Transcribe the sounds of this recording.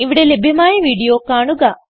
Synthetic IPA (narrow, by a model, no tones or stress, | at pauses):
iʋiɽɐlebʱimaːjɐʋiːɽijoːkaːɳuɡaː